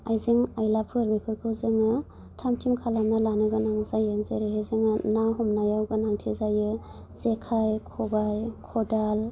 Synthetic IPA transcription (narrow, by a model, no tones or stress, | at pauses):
ajzeŋajlapʰɯɾbipʰɯɾkʰɯwzɯŋɯ | tʰamtʰimkʰalamnalanɯɡɯnaŋzajɯŋzeɾeɦezɯŋɯnawɦɔmnajawɡɯnaŋtʰizajɯ | z̥ekʰajkʰɔbajkʰɔdal